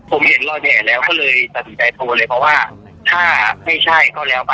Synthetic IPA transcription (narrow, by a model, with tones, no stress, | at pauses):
pʰo˨˩˦mhe˨˦nlɔː˧˩j̚ɛː˨˩lɛː˦˥wkɔː˥˩lɤː˧jt̪a˨˧˩sʰi˨˩˦nt͡ɕa˧jt̪ʰoː˧lɤː˧jpʰɾɔ˦˥waː˥˩ | t̪ʰaː˥˩ma˥˩jt͡ɕʰa˥˩jkɔː˥˩lɛː˦˥wpa˧